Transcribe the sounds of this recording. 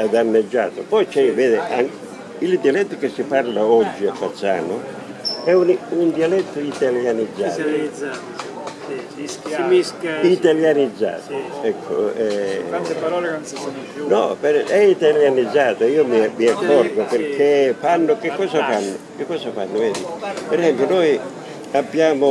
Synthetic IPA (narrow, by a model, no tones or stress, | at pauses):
ad̪anːed͡ʒːaːt̪ʊpɔjt͡ʃɛvɛːd̪ɪaŋ | ild̪jalɛt̪ːʊkɪsːiparlaɔd͡ʒːiafːat̪sːa̰ːnʊ | ɛunund̪jalɛt̪ːʊit̪aljanid̪zːaːt̪ː | it̪aljanid̪zːa̰ːt̪ʊɛkʰːʊ̰ɛaepaɾɔːleson | unɔpɛɾɛit̪aljanid̪zːaːt̪oiːomimiakːɔrɡoperkʰefanːʊkɪkːɔːsafanːʊkɪkːɔːsafanːʊvɛːd̪ipɛɾɛsɛmpjʊnɔj | abːjaːmʊ